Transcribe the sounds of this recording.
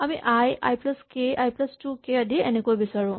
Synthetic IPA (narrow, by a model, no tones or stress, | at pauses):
amiʔaja̰jplaskeajplastukeadienekojbisaɹũ